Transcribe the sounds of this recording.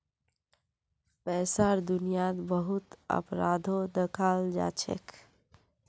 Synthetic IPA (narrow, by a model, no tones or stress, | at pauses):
pɛːsaɾd̪unijat̪bəɦut̪ə̰pɾad̪ʱod̪əkʰaːld͡ʒa̰ːt͡ʃʰḛkʰ